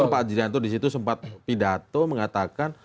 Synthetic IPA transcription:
ɾpad͡ʒɾiant̪udis̬it̪usəmpat̪̚pidat̪oməŋat̪akan

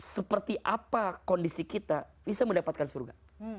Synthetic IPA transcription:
səpərt̪iʔapakɔndisikit̪abisaməndapat̪̚kansurɡa̰

